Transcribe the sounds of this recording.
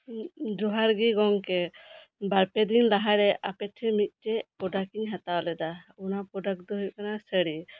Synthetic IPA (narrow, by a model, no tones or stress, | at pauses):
d͡ʒɔɦaɾɡiɡɔŋkɛ | baɾpɛd̪inlaɦaɾɛʔapɛʈʰɛmit̪̚ˀʈɛpɔɖakiŋɦat̪awlɛd̪aunapɾɔɖak̚d̪ɔɦut̚kanasəɽi